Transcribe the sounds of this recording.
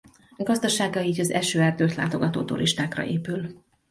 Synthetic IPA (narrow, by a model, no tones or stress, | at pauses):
ɡɒzd̪ɒʃaːɡjɒiɟɒzɛʃøːɛrd̪øːt̪la̰ːt̪o̞ɡɒt̪o̰ːt̪ṵɾʔiʃt̪aːkrɒ̰ʔeːpyl